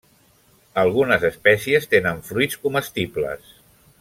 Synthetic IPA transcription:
əlˠɣunəzəspɛsiəst̪enəɱfɾujskuməst̪iblə̰s

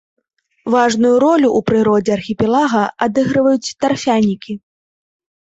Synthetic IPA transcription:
vaʐnujuɾɔlʲuʔːpɾɨɾɔd͡zʲɛarxʲipʲɛlˠaɣɐʔad̪ɨɣɾɨvɐjut͡sʲt̪arfʲanʲikʲi

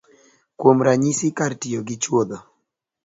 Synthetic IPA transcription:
kwomɾaɲisɪkartɪoɡɪt͡ʃwod̪ɔ

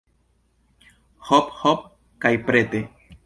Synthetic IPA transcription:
hophop̚ | kajpɾet̪e

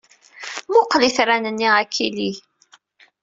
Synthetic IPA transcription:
mʊqliθɾænənːiʁækʰːili

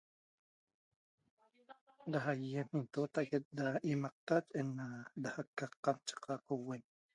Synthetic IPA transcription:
daɦajemint̪ot̪aʔket̪̚d̪aimɑq̚t̪at͡ʃenadahakːaqːɑmnt͡ʃɑ̥qɑqowen

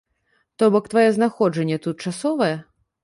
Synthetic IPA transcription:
t̪ɔbɔkt̪vajɛznaxɔd͡ʐɐnʲːɛt̪ut̪̚t͡ʂasɔvɐjɛ

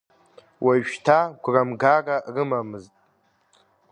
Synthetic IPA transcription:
wʔaʃᶣtʰaɡʷramɡararɨmamɨztʼ

